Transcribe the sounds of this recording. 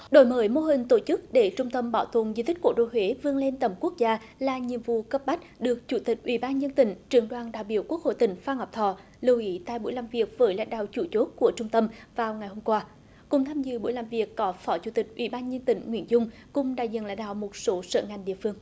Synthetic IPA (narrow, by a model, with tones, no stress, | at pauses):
ɗo̰˧˩˦jməː˨˦jmo˧ɦï˨˩ŋ̟t̪o˧˩t͡ɕɨ˦˥k̚ɗe˧˩t͡ɕʊ˧ŋ͡mt̪ə˧mɓaː˧˩wt̪ʰwə˨ənzi˧t̪ʰï˦˥ko˧˩ɗo̰˧˨jɦwe˨˦vɨ˧əŋle˧nt̪ə˧˩mku˦˥ək̚zaː˧ | laː˨˩ɲi˨˧˨əmvṵ˧˨kə˦˥p̚ɓa˦˥k̟̚ɗɨ˨˩ək̚t͡ɕu˧˩t̪ï˨˩k̟̚ʔwḭ˧˩˦ɓaː˧nzə˧nt̪ï˧˩˦ŋ̟t͡ɕɨ˨˩əŋɗwaː˨˩nɗa̰ː˧˨jɓḭ˧˩əku˦˥ək̚ho̰˧˨jt̪ï˧˩ŋ̟faː˧ŋhɔ˨˩wp̚t̪ʰɔ̰˧˨ | lɨ˨˩əwʔi˨˦t̪a̰ː˧˨jɓṵ˧˥˦jlaː˨˩mvi˨˩ək̚vəː˨˦jla̰˧˥˦ŋ̟ɗa̰ː˧˨wt͡ɕu˧˩t͡ɕo˦˥t̚ku˧˩ət͡ɕʊ˧ŋ͡mt̪ə˧mvaː˨˩wŋa˨˩jho˧mkwaː˧ | kʊ̰˨˩ŋ͡mt̪ʰaː˧mzɨ̰˧˨ɓu˧˩əjlaː˨˩mvi˨˩əkːɔ˨˦fɔ˨˦t͡ɕu˧˩t̪ï˨˩k̟̚ʔwʔḭ˧˩˦ɓaː˧nzə˧nt̪ï˧˩ŋ̟ŋwḭ˧˩ənzʊ˧ŋ͡m | kʊ˨˧ŋ͡mɗa̰ː˧˨jzḭ˧˨nla̰˧˦ŋ̟ɗa̰ː˧˨wmo˨˩t̚so˨˦sə̰ː˧˨ŋa˨˩jŋ̟ɗḭ˧˨əfɨ˧əŋ